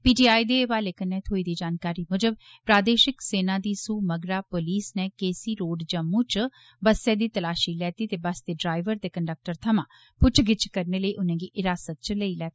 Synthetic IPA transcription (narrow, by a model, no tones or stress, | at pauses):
piːʈiːaːiːd̪eːʋaːleːkənːɛːt̪ʰoːiːd̪iːd͡ʒaːnkaːɾiːmʊd͡ʒəb | pɾaːd̪eːʃɪkseːnãːd̪iːsuːməɡɾaːpoliːsnɛːkeːsiːɾoːɖd͡ʒə̃mũːt͡ʃ | bəsɛːd̪iːt̪əlaːʃiːlɛːt̪iːt̪eːbəsd̪eːɖɾaːɪʋəɾt̪eːkəɳɖək̚ʈəɾt̪ʰəmãː | pʊt͡ʃɡɪt͡ʃkəɾneːləiːʔʊnẽːɡiːʔɪɾaːsət̪̚t͡ʃləiːlɛːt̪i̥